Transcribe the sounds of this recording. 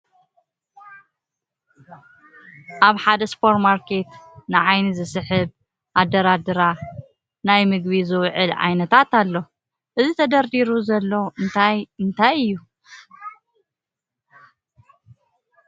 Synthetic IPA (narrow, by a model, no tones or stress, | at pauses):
ʔaβħad̪ɐspʰo̞ɾt̪maɾkʰe̞t̪nɨʕajnizɨsɨħɨβ | ʔad̪ːɐɾad̪ɨɾa | najmɨɡβizɨwʕɨlʕa̰jnɐt̪ʰat̪alːo̞ | ʔɨzit̪ʰɐd̪ɐɾd̪iɾuzɐlːoɨnt̪ʰajɨnt̪ʰajɨjːu